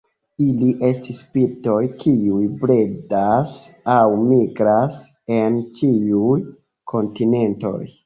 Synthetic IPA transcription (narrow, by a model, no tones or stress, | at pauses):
iliʔe̞stispiɾto̞jkʰiujbɾedas | awmiɡɾas | e̞nt͡ʃiuj | kʰo̞ntine̞nto̞̰j